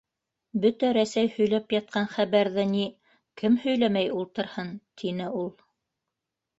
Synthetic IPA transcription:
bɵt̪æɾæsæjhɵ̆jlæpjɑt̪̚qɑnχæβæɾðɘni | kɘmhɵ̆jlæmæjulˠt̪ɤ̆ɾhɤnt̪ʰinɘulˠ

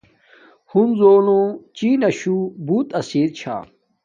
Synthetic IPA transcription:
hunzoːlõt͡ɕiːnɐɕubuːt̪ɐsiːɾt͡ɕʰa̰ː

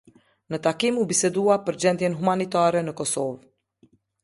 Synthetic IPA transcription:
nət̪akimubisɛd̪uapəɾd͡ʑɛnt̪jɛnɦumanit̪aɾɛnəkɔsɔv

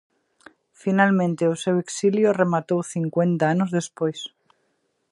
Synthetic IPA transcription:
finalmẽnt̪eose̞weksiljoremat̪owθiŋkwe̞nt̪aanozðe̞spojs

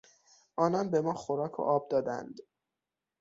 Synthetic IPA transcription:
ʔɒːnɒnbe̞mɒːxoɾɒːkʰo̰ʔɒːb̚d̪ɒːd̪æ̰nd̪

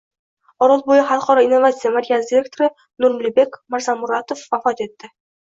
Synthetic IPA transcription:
ɒɾɑlˠbojɤχalˠqɒɾɒinːovat̪sɨjamaɾʲijasd̪ʲɪɾʲe̞k̚t̪oɾɪ | nuɾmlʲibekmaɾzamuɾat̪ofwafɑt̪e̞t̪ːɪ

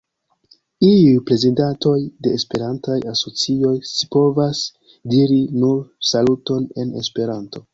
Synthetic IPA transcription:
iujpɾe̞zidato̞jde̞ːspe̞ɾantajaso̞t͡sio̞jsi̥po̞vas | diɾinuɾsaluto̞ne̞nespe̞ɾanto̞

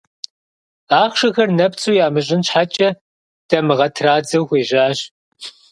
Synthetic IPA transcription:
aːχʷʃɐxɐrnɐpt͡sʼuːjaːmɨɕ̬ʼɪnɕħat͡ʃʼɐ | d̥ɐmɨʁɐtʰraːd͡zɐwxʷeːʑaːɕ

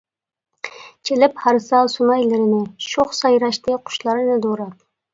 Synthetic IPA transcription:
t͡ʃʰelɪphɑɾsɑlˠsunɑjlɪɾɪnɪʃoχsɑjɾɑʃnɪqʰʊ̥ʃlˠɑɾɨnɪd̪oɾɑt̪̚

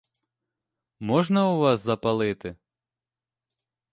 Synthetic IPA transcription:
mɔʐnɐuʋɑszɐpɐlˠɪt̪ɪ

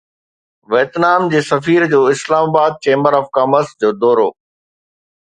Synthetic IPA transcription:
ʋeːt̪naːmd͡ʑeːsɐfiːɾd͡ʑoːɪslaːmaːbaːd̪̚t͡ɕẽːməɾɔːfkaːməɾsd͡ʑoːd̪ɔːɾoː

